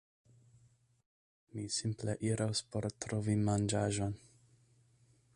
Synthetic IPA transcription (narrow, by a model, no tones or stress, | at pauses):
misimpleʔiɾʔawspo̞ɾtɾovimand͡ʒaʒo̞n